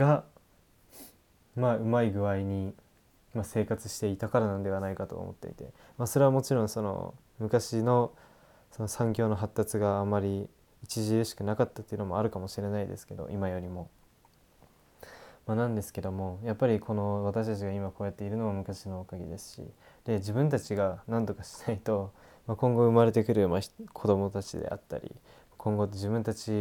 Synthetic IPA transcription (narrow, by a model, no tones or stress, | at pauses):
ɡa | maːɯ̟maiɡɯ̟βaiɲ̟i | mase̞ːkat͡sɨ̥ɕi̥t̪e̞it̪akaɾanãnod̪e̞anaikat̪o̞̰o̰mo̞̰t̪ːe̞̰ḭt̪e̞̰ | maso̞ɾe̞βamo̞t͡ɕiɾõ̞ɰ̃so̞no̰ | mɯ̟kaɕino̞ | so̞no̞sãŋk̬ʲo̞ːno̞ɦat̪ːat͡sɨɡaːmːaɾʲi | it͡ɕiʑiɾɯɕi̥kɯ̟nakat̪ːat̪ːejɯ̟no̞mo̞aɾɯ̟kamo̞ɕiɾe̞naid̪esɨ̥ke̞d̪o̞̰ʔimajo̞ɾʲimo̞ | manãnd̪e̞sɨ̥ke̞d̪o̞mo̞japːaɾʲikʰo̞no̞βat̪aɕi̥t̪at͡ɕiɡaimako̞ːjat̪ːeiɾɯ̟no̞βamɯ̟kaɕino̞ːkaɡʲḭd̪e̞sɨ̥ɕḭ | d̪̥e̞d͡ʑibɯ̟̃nt̪at͡ɕiɡanãnd̪o̞kaɕi̥nait̪o̞ | makõ̞ŋɡo̞ɯ̟maɾe̞t̪e̞kɯ̟ɾɯ̟makʰo̞d̪o̞mo̞t̪at͡ɕid̪ḛʔa̰t̪ːa̰ɾʲḭ | makʰõ̞ŋɡo̞t̪ːeʑibɯ̟̃nt̪at͡ɕi